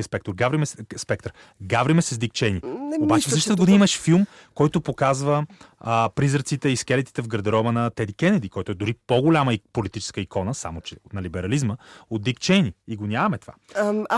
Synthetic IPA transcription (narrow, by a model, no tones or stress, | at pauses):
əspɛk̚t̪oɾɡavɾimɛsspɛk̚t̪ɾ | ɡavɾimɛsɛzd̪ikt͡ʃɛniobaʃt͡ʃɛfsəʃt̪t̪əɡod̪iiməʃfilˠm | kɔjt̪opokazvə | pɾizəɾt̪sit̪ɛiskɛlɛt̪i̥t̪ɛvɡəɾd̪ɛɾɔbənɐt̪ɛd̪ikɛnɛd̪ikɔjt̪ʊɛd̪ʊɾipoɡolʲaməipolit̪it͡ʃɛ̥skəikɔnəsa̰mot͡ʃɛnɐlibɛɾɐlizməot̪ːikt͡ʃɛniiɡonʲavɐmɛt̪ova̰